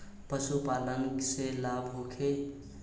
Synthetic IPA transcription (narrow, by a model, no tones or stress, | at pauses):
pəsupaləŋɡselabʱɦukʰe